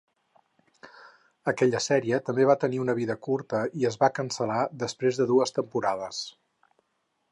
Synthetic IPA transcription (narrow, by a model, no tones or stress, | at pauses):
əkɛʎəsɛɾiət̪əmbeβ̞at̪əniunəβ̞iðəkuɾt̪əiəzβakənsəlaðəspɾezðəðuəst̪əmpuɾað̞əs